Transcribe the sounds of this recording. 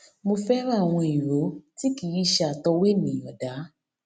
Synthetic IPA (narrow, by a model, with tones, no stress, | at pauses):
mo˧fɛ˦ɾa˦˨w̃ɔ̃˧i˨ɾo˨˦ti˦ki˨˦ji˦˨ʃa˧˨tɔ˧we˦˨nĩ˨jɔ˨da˨˦